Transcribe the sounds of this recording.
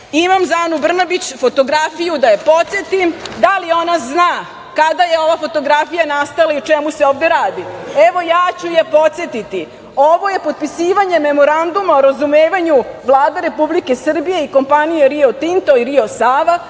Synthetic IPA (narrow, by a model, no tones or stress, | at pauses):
imamzanubr̩nabit͡ɕfo̞t̪o̞ɡɾafijud̪ajepo̞t̪sʲjet̪imd̪alio̞naznaː | kad̪aje̞o̞ʋafo̞t̪o̞ɡɾafijanast̪alaiut͡ʃe̞museoːʋd̪e̞ɾaːd̪ie̞ʋo̞jaːt͡ɕujepo̞t̪sje̞t̪it̪i | oʋo̞je̞pot̪̚pisiːʋaɲe̞me̞mo̞ɾand̪umaoɾazumeːʋaɲuʋlˠaːd̪eɾe̞publike̞sr̩bije̞iko̞mpanijeɾio̞t̪int̪oiɾiosaːʋa